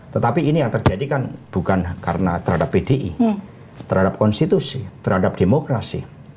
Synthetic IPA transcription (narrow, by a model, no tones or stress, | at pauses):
t̪ət̪apiːnijaŋt̪ərd͡ʒ̥adikanb̥ukankaɾənat̪ərɦadapːedeʔi | t̪əɾɦadap̚kɔnst̪it̪usit̪əɾɦadap̚d̥emokɾasḭ